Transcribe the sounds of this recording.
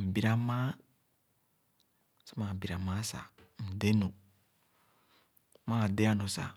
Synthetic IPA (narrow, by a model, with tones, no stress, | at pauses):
m̩˨bi˦ɾa˦ma˦ | sa˦ma˨m˨bi˨ɾa˨ma˦sa̰˨m̩˨de˦no˨ | maː˦˨de˦a˦no˨sa̰˨